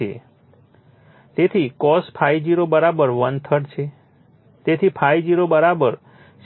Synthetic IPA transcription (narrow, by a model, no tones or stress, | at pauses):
ḛ | t̪et̪ʰikɔspʰaid͡ʒiɾobəɾabəɾʋənt̪ʰəɽt͡ʃʰe | t̪et̪ʰipʰaid͡ʒiɾobəɾabəɾ | ʃ